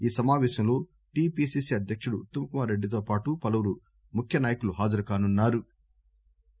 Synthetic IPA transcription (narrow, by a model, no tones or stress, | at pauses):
iːsɐmaːʋɛːʃɐmlo̞ː | ʈiːpiːsiːsiːɐd̪jɐkʂuɽuːt̪ːjɐmɐkumaːɾeɖːit̪̬oːpaːʈupɐlɐʋuɾu | mukʰjɐnaːjɐkuluɦaːd͡ʒɐɾukaːnunːaːɾu